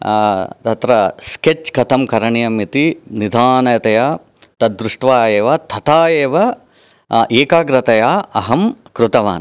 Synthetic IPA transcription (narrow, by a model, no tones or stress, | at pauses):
t̪ɐt̪ɾɐsket͡ʃkɐt̪ʰɐmkɐɾɐɳijɐmit̪inid̪ʱaːnɐjɐt̪ɐjaː | t̪ɐd̪ːɾuʂʈʋaːjeːʋɐt̪ʰɐt̪aːjeːʋɐ | ʔeːkaːɡɾɐt̪ɐjaːɐɦɐmkɾut̪ɐʋa̰ːn